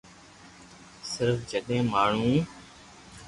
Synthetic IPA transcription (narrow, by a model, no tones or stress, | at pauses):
sɪɾfd͡ʒəɗẽːmaːɳ̤ũː